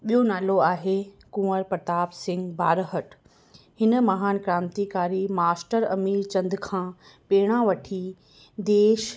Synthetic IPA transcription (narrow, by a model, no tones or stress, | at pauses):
ɓijonaːloaːɦe | kũːəɾpɾɐt̪aːbsɪ̃ŋɡbaːɾɦəʈ | hɪnə̆mɐɦaːnkɾãːnt̪ikaːɾimaːsʈəɾɐ̰miːɾt͡ɕɐ̃nd̪kʰãː | peːɽ̃ãʋɐʈʰi | d̪eːʃ